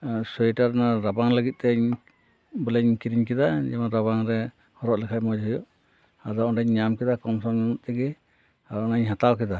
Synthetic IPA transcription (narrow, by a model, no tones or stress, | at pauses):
sɔjʈaɾnaɾabaŋləɡit̪̚ˀt̪ɛɲ | bɔlɛɲkiɾiɲkɛd̪ad͡ʒɛmaɾaβaŋɾɛ | hɔɾɔʔlɛkʰamɔd͡ʒɦujɔʔ | ad̪ɔɔnʈaɲɲamkɛd̪akɔmsɔmɲɔnuʔt̪ɛɡɛ | aɔnaɲɦat̪awkid̪a